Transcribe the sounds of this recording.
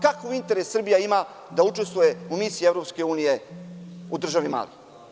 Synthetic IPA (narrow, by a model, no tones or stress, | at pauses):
kakavint̪e̞ɾesːr̩bijaima | d̪aut͡ʃest̪vujeumisijievɾopskeuːnije̞ | ud̪r̩ʒaʋima̰ːlḭ